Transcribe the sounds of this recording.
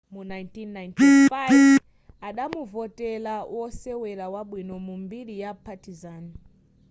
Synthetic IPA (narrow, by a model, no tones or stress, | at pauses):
munajntinːajnti | aɗamuvotelawoseweɾawaɓwinomumbiɾijapatizaːna